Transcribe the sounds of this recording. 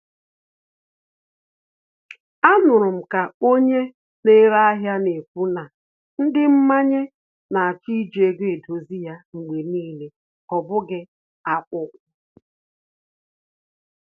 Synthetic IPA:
a˦nʊ˨ɾʊ˨m̩˨ka˨o˦ɲe˦ | ne˦ɾa˦a˦ɦja˦ne˨pu˦na˨ | n̩˦dɪ˦m̩˦ma˦ɲe˦ | na˨a˨t͡ʃi˦d͡ʒe˨ɡe˦e˨do˨zi˦ja˦ŋ͡m̩˨ɡ͡be˨niː˦le˨ | ɔ˨bʊ˦ɡɪ˦ | a˨kʷʊ˦kʷʊ˦

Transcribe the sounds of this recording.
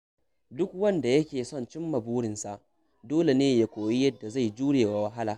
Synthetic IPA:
dʊ˦k̚wɐ˦nda˨jɐ˦kʲeː˨sɔ˦nt͡ʃɪ˦mːɐ˨buː˦ɽɪ˨nsa˨ʔ | doː˦le˨neː˦ja˦kʷoː˨ji˦jɐ˦dːa˨za˦˨jd͡ʒuː˦ɽeː˨wa˨wɐ˦ɦa˦laː˨

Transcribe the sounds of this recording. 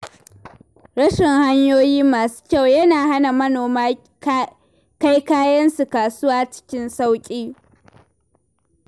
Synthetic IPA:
ɽɐ˦ʃɪ˨ŋha˦ɲjoː˦jiː˦maː˨su̥˦kʲa˦˨wjɐ˦naː˨ha˦na˨mɐ˦noː˨maː˦ | ka˦jkaː˦jɐ˦nsu˨kaː˨sʊ˦waː˦t͡ʃɪ̥˦kʲɪ˦nsa˦wkʲʼiː˦

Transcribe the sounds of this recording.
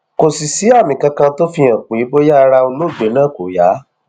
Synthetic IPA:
ko˨si˨si˨˦a˦˨mĩ˨kã˧kã˧to˦fi˧ã˨k͡po˨i˨˦bo˦ja˦˧ɾa˧o˧lo˦˨d͡ʒe˨˦nãː˦˨ko˨ja˨˦

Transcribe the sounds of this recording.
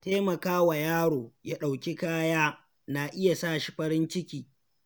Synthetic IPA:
teː˦mɐ˨kaː˦wa˨jaː˦ɽoː˨ja˦ɗa˨wkʲi˦kaː˦jaː˦ | naː˨ʔɪ˦ja˨sa˦˨ʃi˦ɸɐ˦ɾɪ˦nt͡ʃɪ˦kʲiː˨

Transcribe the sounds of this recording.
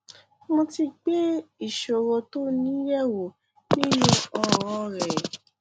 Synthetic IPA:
mõ˧ti˧ɡ͡be˦i˦˨ʃo˨ɾɔ˧to˦nĩ˨˦jɛ˦˨wo˨ | nĩ˦le˦ɔ˨ɾɔ̃˧ɾɛ˨

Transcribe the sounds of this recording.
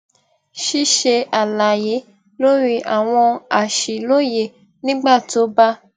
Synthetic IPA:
ʃi˦ʃe˧a˨la˨je˨˦ | lo˦ɾi˦ʔa̰˦˨w̃ɔ̃˧a˨ʃi˨lo˦je˨ | nĩ˦ɡ͡ba˦˨to˨˦ba˦

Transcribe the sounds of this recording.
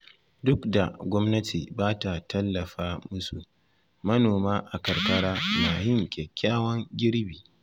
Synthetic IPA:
dʊ˦kda˨ɡʷɔ˦mnɐ˦tʰiː˨baː˦ta˨tɐ˦lːɐ˨ɸaː˦mʊ˦su˨ | mɐ˦noː˨maː˦ʔa˨kɐ˨rkɐ˦ɽaː˦naː˨hɪ˦ŋkʲʼɛ˨kʲːaː˦wɐ˦ŋɡʲɪ˦ɽbiː˨

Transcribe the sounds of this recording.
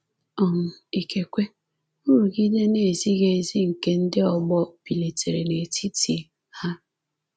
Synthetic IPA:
ɔ˨m̩˨i˨ke˨kʷe˦ | u˦ɾu˨ɡi˦de˦ne˨zi˦ɣe˦˨zi˦ŋ̩˨ke˦n̩˦dɪ˦ɔ˨ɡ͡bɔ˦pi˨le˨tʰe˨ɾe˨ne˨tʰi˦ti˨ | ha˦

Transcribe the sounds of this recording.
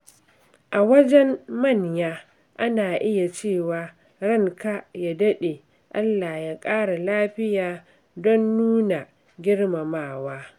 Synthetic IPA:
ʔa˨wɐ˦d͡ʒɛ˦mːɐ˦˨ɲjaː˦ | ʔa˦naː˨ʔɪ˦ja˨t͡ʃeː˦˨waː˨ | ɽɐ˦˨ŋka˦ja˨dɐ˦ɗe˨ | ʔa˦lːa˨jaː˦kʼaː˦ɽa˨laː˦ɸɪ˦jaː˨ | dɔ˦nːuː˦na˨ | ɡʲɪ˦ɽma˨maː˦˨waː˦

